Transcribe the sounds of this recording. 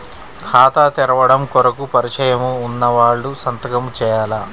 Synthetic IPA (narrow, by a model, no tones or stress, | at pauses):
kʰaːt̪aːt̪ɛɾɐʋɐɽɐmkɔɾɐkupɐɾit͡ʃɐjɐmuːnːɐʋaːɭːusɐnt̪ɐɡɐmt͡ʃɛːjaːla